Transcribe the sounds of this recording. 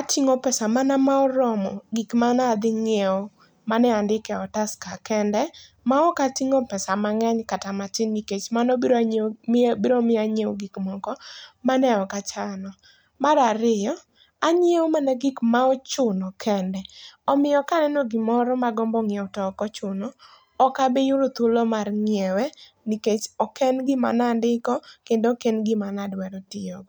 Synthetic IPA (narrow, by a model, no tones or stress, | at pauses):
atʰiŋopɛsamanamaɔɾɔmɔɡikmanad̪ɪŋeo | manɛandɪkɛɔtaskakɛndɛ | maɔkatiŋopɛsamaŋɛɲkatamatɪnːiket͡ʃmanɔbiɾɲbiɾomɪaɲeoɡikmɔkɔmanɛɔkat͡ʃanɔ | maɾaɾɪjɔ | aɲjewmanɛɡɪkmaɔt͡ʃʊnɔkʰɛndɛɔmɪjɔkanɛnoɡimɔɾɔmaɡɔmbɔŋjeɔtɔkɔt͡ʃʊnɔ | ɔkabejuɾot̪ulomarŋɪewɛ | niket͡ʃɔkɛnɡɪma̰nandɪkɔkendokenɡɪmanadwɛɾɔtɪɔɡ